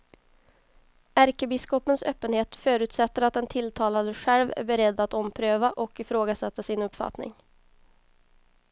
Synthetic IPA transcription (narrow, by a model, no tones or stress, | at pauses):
æɾkəbɪskɔpənsø̰ːpːənheːt̪fœːɾʉ̟ːt̪sɛt̪ːəɾat̪̚d̪ɛnt̪ʰɪlt̪ʰɑːlad̪əɧælvæ̰ɾbɛɾɛd̪ːat̪ɔmːpʰɾøːvaʔɔkɪfɾoːɡasɛt̪ːasɪnɵpːfa̰t̪nɪ̰ŋ